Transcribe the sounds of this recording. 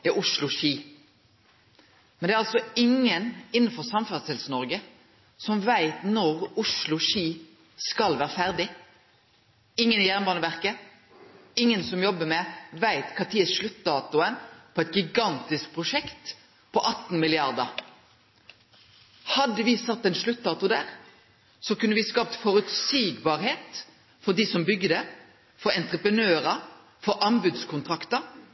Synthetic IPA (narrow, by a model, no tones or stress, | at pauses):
ɛʔʊʂlʊʃiː | mɛnd̪ɛæːɾɑlsɔɪŋːənɪn̩ːfɔʁsɑmfɑʁt̪ɛlsnɔʁɡə | sɔmʋæɪt̪nɔʁʊʂlʊʃiː | skɑlʋæːʁəfæʁd̪ɪ | ɪŋːənɪjæʁnbɑːnəʋæʁkə | ɪŋːənsɔmjɔbːəmɛʋæɪt̪kʰɑːt̪ʰiːəsʂlʉt̪d̪ɑːt̪ʊənpʰoːɛt̪̚ɡɪɡɑnt̪ɪsk̚pʰʁʊʂɛkt̪ | pʰɔʔɑt̪n̩mɪlɪɑʁd̪əʁ | hɑd̪əʋɪsɑt̪ːɛɪnʃlʉt̪̚ːd̪ɑːt̪ʊd̪æːʁ | sɔkʉnːəʋɪskɑːp̚t̪fɔɾʉt̪siːɡbɑːɾheːt̪ | fɔd̪iːsɔmbʏɡəd̪ə | fɔɾɛnt̪ʁəpʁənøːɾə | fɔʔɑmbʉd̪skʰʊnt̪ʰʁɑkt̪əɾ